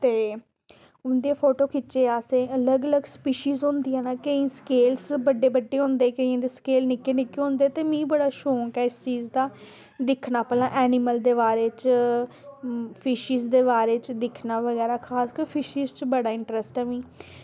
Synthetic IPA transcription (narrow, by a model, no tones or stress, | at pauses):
t̪eː | ʊnd̪eːpʰoːʈoːkɪt͡ʃːeːaːsẽːələɡələɡspiːʃiːzɦʊ̃nd̪iːãːnaːkəĩːskeːlsbəɖːeːbəɖːeːɦʊ̃nd̪eːkəĩːd̪eːskeːlnɪkeːnɪkeɦʊ̃ːnd̪eːt̪eːmĩːbəɽaːʃoːŋkɛːɪst͡ʃiːzd̪aː | d̪ɪkʰnaːpɛːlãːʔɛːnɪməld̪eːbaːɾeːt͡ʃ | pʰɪːʃiːzd̪eːbaːɾeːt͡ʃd̪ɪkʰnaːʋəɡɛːɾaːkʰaːskəɾpʰɪʃiːzt͡ʃbəɽaːɪ̃ɳʈɾɛsʈɛːʋĩː